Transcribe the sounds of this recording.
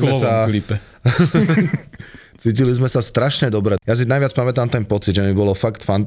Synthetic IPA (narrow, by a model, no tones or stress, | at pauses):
ɛsalipɛ | t͡siːcilizmɛsast̪ɾaʃɲɛd̪ɔbɾɛjas̬inajʋɪat͡spamɛt̪aːmt̪ɛnpɔt͡sid̪ʒɛmibɔlɔfakt̪fant̪